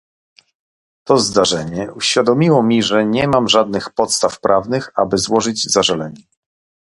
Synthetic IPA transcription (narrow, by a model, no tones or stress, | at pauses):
t̪ɔzd̪aʐɛɲɛuɕfʲjad̪ɔmʲiwɔmʲiʐɛɲɛmamʐad̪̚nɘxpɔt̪st̪afpɾʔavnɘxa̰bɘzwɔʐɘd͡ʑzaʐɛlɛɲɛ